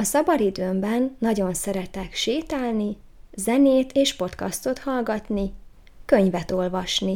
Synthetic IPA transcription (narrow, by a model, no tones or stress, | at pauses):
ɒsɒbɒɾid̪øːmbɛnːɒɟo̞nsɛɾɛt̪ɛkʃeːt̪aːlni | zɛneːt̪eːʃpo̞t̪kɒst̪o̞t̪hɒlɡɒt̪ni | kø̞ɲvɛt̪o̞lvɒʃni